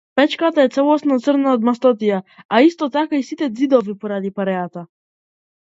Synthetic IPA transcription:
pɛt͡ʃkat̪aɛt̪sɛlˠɔsnɔt̪sərnaɔd̪mast̪ɔt̪̬ijaaist̪ɔt̪akaisit̪ɛd̪zid̪ɔvipɔɾad̪ipaɾɛat̪a

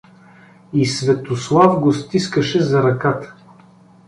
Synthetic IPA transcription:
isvɛt̪oslˠavɡost̪iskəʃɛzɐɾɐkat̪ə̥

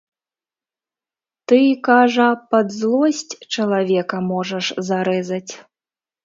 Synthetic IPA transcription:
t̪ɨikaʐɐpɐd̪zlˠɔsʲt͡sʲt͡ʂɐlˠavʲɛkɐmɔʐɐʂzaɾɛzɐt͡sʲ

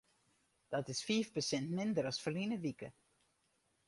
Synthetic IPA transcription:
d̥ɔtɪsfiːfpəsɛntmɪndəɾɔsfərlinəʋikə̰

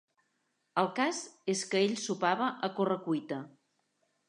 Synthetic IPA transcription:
əlˠkazeskəeʎsupaβəʔəkorəkujt̪ə

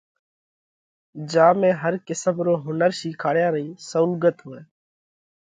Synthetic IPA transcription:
d͡ʒaːmẽːɦəɾkɪsəmɾoːɦʊnəɾʃiːkʰaːɽjaːɾəiːsəʊlɡət̪ɦʊːeː

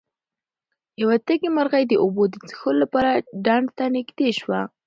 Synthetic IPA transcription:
jawat̪əɡemaɾɣajd̪əʔobod̪ət͡sə̥xololapɑɾaɖɑɳɖt̪anɪɡd̪eʃwa

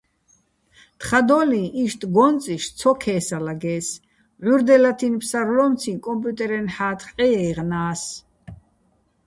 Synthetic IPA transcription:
t̪ʰχad̪ɔlĩʔiʃt̪ʰʼɡɔnt͡sʼiʃt͡sʰɔkʰɛːsalaɡɛːs | ʕuɾd̪ɛlat̪ʰinpʰsaɾlɔmt͡s̪ʰĩkʼɔmpʼjut̪ʼɛɾɛnħaːt̪ʰχʼqʼɛɛiʁnaːs

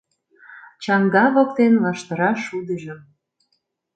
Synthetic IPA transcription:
t͡ɕɑŋɡɑβok̚t̪enlɑʃt̪ə̆ɾɑʃud̪ə̆ʒə̆m

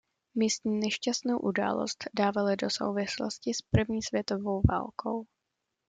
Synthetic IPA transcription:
miːst̪ɲiːnɛʃcast̪nowʔuda̰ːlo̞̰st̪daːvalɪdo̞so̞̰wvɪslo̰scɪspr̩vɲiːsvjɛt̪o̞vo̞wva̰ːlkʰo̞̰w

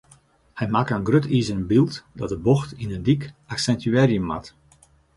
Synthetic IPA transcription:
hɛjmakənɡrøtʰizənbilˠtdɔt̚dəboxtinəndikaksɛntyɛrjəmːa̰t

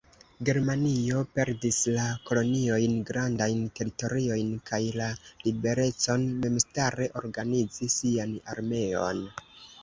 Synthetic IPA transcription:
ɡe̞ɾmanio̞pe̞ɾdislako̞lo̞nio̞jnɡɾandajnte̞ɾito̞ɾio̞jnkajlalibe̞ɾe̞t͡so̞nme̞mstaɾe̞ʔo̞̰ɾɡanid͡zisiana̰ɾme̞o̞̰n

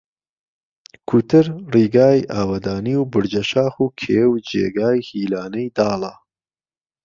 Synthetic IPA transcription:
kʰut̪ʰɨɾriːɡaːjʔaːwɐd̪aːniwbɨɾd͡ʒɐʃaːxuːkʰeːwd͡ʒḛːɡaːjhiːlaːnɐjd̪aːlɐ

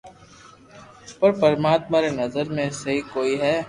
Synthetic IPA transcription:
pɐɾpɐɾmaːt̪maɾenɐzəɾmẽsɐɦikoːiɦɛː

